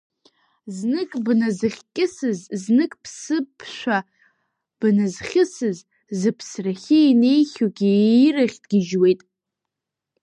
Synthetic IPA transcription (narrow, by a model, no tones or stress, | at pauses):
znɨkʼbnazɨχʲkʲʼɪsɨzznɨkʼpʰsɨpʰʃʷᶣa | b̥nazχʲɪsɨz | zɨpʰsraχʲɪine̞jχʲuɡʲiraχʲdɡʲɪʒwe̞jtʼ